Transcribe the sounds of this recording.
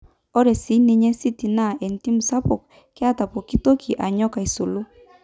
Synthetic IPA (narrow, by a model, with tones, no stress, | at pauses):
ɔ˦ɾɛ˨si˨˦ni˦ɲɛ˦si˦ti˨na˦˨ʔɛ˨n˨ti˦m̩˨sa˦pɔ˨k | kɪ˦a˦ta˨pɔ˨ki˦to˦kʰi˨ʔa˨ɲɔ˦ka˨i˨so˨lo˦